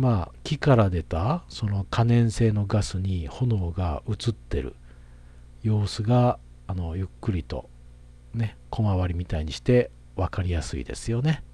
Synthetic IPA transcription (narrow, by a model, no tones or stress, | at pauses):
maːkʲikaɾad̪e̞t̪aso̞no̞kʰanẽ̞ɰ̃se̞ːno̞ɡasɨɲ̟iho̞no̞ːɡa̰ɯ̟t͡sɨt̪ːe̞̰ɾɯ̟̰ | jo̞ːsɨɡaː | no̞jɯ̟kːɯ̟ɾʲit̪o̞̰ | ne̞kʰo̞maβaɾʲimʲit̪aiɲ̟iɕi̥t̪e̞ | βakaɾʲijasɨ̰ḭd̪e̞̰sɨjo̞ne̞